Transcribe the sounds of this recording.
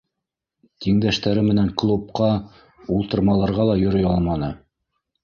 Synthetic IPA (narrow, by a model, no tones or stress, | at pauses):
t̪iŋd̪æʃt̪æɾɘmɘ̆næŋklˠup̚qɑ | ulˠt̪ɤ̆ɾmɑlˠɑɾʁɑlˠɑjŏɾɤjɑlˠmɑnɤ